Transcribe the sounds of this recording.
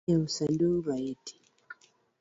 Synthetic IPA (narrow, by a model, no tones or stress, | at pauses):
ausaduɾaiti̥